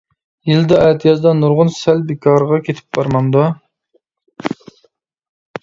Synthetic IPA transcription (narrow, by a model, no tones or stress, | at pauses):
jild̪ɛɛt̪ʰjɑzd̪ɑnuɾʁʊnsælbekʰɑɾʁɑkʲʰet̪ʰɪ̥p̚b̥ɑɾmɑnd̪u